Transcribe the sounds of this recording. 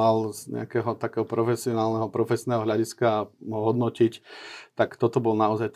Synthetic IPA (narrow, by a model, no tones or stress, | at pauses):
alzɲɛ̰akɛːɦɔt̪akɛːɦɔpɾɔfɛsiɔnaːlnɛɦɔpɾɔfɛsnɛːɦɔɦʎaɟiskaɦɔɦɔd̪nɔcict̪akt̪ɔt̪ɔbɔlnaɔzajt̪